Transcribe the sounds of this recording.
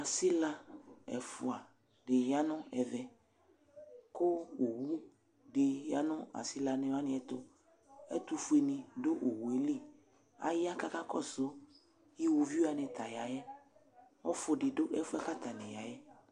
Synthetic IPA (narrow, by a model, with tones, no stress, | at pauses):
a˨si˦la˦ɛ̰˨fʊ˨a˨ | ɖɪ˨ja˦nʊ̃˦ɛ˨vɛ˨ | ko˦o˨wu˦ | ɖɪ˨ja˦nʊ̃˦a̰˨si˦la˨nẽ˨wa˦nɪ̃˨˦ɛ˦t̪ʊ˦ | ɛ̰˦t̪u˦fu˦e˨nĩ˨do˦ʔo˨wu˨e˨˦li˦˨ | a̰˨ja˦ka˦ka˦kɔ˦˨sʊ˦ | ji˦wu˧vi˦a˨nɪ̃˨t̪a˨ja˨jɛ˦ | ɔ˦fʊ˧ɖɪ˨ɖʊ˦ʔɛ˦fʊ˦ɛ˦ka˦t̪a˨nɪ̃˨ja˨jɛ˦